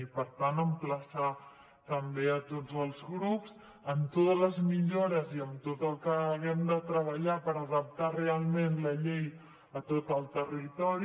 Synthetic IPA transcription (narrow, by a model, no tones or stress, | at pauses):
ipəɾt̪anəmpləsa | t̪əmbeət̪od͡zəlˠzɣɾups | əmt̪ot̪ələzmiʎoɾəziəmt̪ot̪əlˠkəːɣɛmd̪ət̪ɾəβ̞əʎapəɾəðəp̚t̪arealˠmenləʎej | ət̪ot̪əlˠt̪ərit̪ɔɾi